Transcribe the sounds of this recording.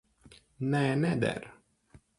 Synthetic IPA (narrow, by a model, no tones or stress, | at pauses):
nɛnɛd̪ɛ̰ɾ